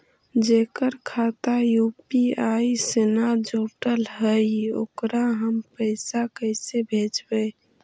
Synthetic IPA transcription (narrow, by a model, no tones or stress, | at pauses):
d͡ʒekəɾkʰat̪ajupiaisenad͡ʒoʈəlɦəjo̰kɾaɦəmpəɪsakəɪsebʱed͡ʒbe